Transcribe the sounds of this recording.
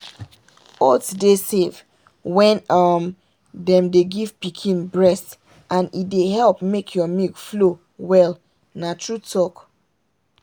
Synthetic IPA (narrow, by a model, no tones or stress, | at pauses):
otdesev | wɛ̃nʌm | dɛ̃mdeɡiv̥pikʰĩnbɹɛst | ʔãnideɦɛlpmekʰjɔmiɡflo | wɛl | natʰɹutʰɔk